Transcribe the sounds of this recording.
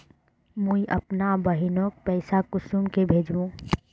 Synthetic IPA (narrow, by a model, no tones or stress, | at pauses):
mũiʔə̰pnabəɦinok̚pɛɪsakʊsumkebʱeːd͡ʒũ